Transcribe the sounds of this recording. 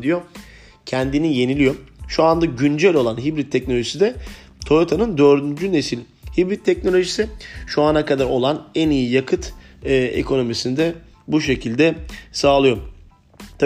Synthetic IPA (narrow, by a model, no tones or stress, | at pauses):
d̪ijo | cʰɛnd̪inije̞nilʲijo̞ʃuand̪aɟynd͡ʒælʲo̞lˠanɦibɾit̪ʰːɛcnoloʒisid̪ɛ | t̪ʰo̞ɾot̪ʰanɯnd̪øɾd̪ynd͡ʒyne̞silʲ | hibɾit̪ʰːɛcno̞lʲo̞ʒisiʃuanakad̪aɾo̞lˠanænijijakʰɯt̪ | ɯːḛkʰo̞no̞misind̪ɛ | buʃe̞cʰilʲd̪ɛsaːlˠɯjo̞ | t̪ʰa